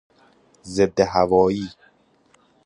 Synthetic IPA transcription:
zeb̪̚d̪eɦævɒːjiː

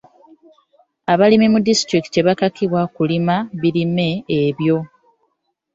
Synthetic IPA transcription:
aβalimimudistɾiktte̞βakakiβwakulimaβiɾime̞ːβjo̞

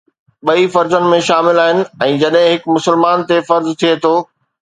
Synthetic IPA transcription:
ɓɐifɐɾzənɪ̆mẽʃaːmɪlaːɦɪnɪ̆ɛ̃ːd͡ʑɐɗɦɪ̃ɦɪkmʊsɪlmaːnt̪efɐɾzt̪ʰiet̪ʰoː

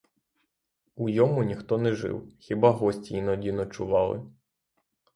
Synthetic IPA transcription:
ujɔmʊnʲixt̪ɔnɛʒɪ̰wxʲibɑɦɔsʲtʲijnɔdʲinɔt͡ʃʊʋɑlˠɪ̰

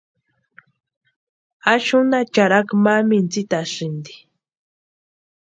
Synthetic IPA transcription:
aʃʊnat͡ʃaɾakmamint͡sit̪aʂɪnd̪i̥

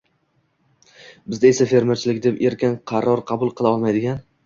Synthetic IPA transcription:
bɪzd̪ae̞safe̞ɾmeɾt͡ʃʰɪlɪkʲd̪e̞pe̞ɾkʲanqʰɑɾːɒɾqʰɑbʊlˠqʰɨlˠaɒlˠmajd̪ɪɡʲan

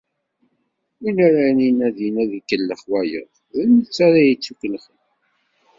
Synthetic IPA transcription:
inaɾaninæðinæðikːəlːəχwæjə̰ðˤ | ənət͡sːaɾajət͡sːukːləχəm

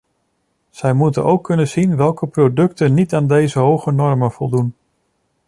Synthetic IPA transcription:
z̥ɛjmutənʔowkːɵnəz̥inʋɛlˠkəprodɵktənːitaːndejzəɦowχənɔɹmənv̥ɔlˠdun

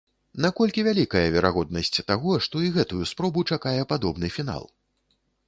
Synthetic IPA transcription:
nakɔlʲkʲivʲalʲikɐjɐvʲɛɾaɣɔd̪nɐsʲt͡sʲt̪aɣɔʂt̪ɔiɣɛt̪ujuspɾɔbut͡ʂakajɛpad̪ɔbnɨfʲin̪a̰lˠ

